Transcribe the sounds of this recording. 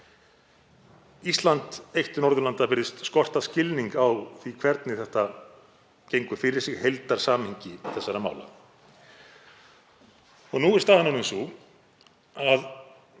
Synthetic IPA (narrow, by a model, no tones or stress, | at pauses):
ist̪lant̪ejht̪ʏnɔɾðʏlant̪apɪɾðɪst̪skɔr̥t̪ascɪlniŋkawθvikʰvɛɾt̪nɪθɛht̪a | cejŋkʏ̥fɪɾɪɾ̥sɪɣhejlt̪aɾ̥saːmhiɲcɪθɛsːaɾama̰ːwla̰ | ɔɣnuːɪ̥st̪ahananɪnsu | að